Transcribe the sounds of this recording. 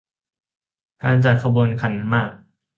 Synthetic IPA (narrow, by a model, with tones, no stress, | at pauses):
kaː˧nt͡ɕa˨˩t̪̚kʰa˧bu˧ənkʰa˧˦nmaː˥˩k̚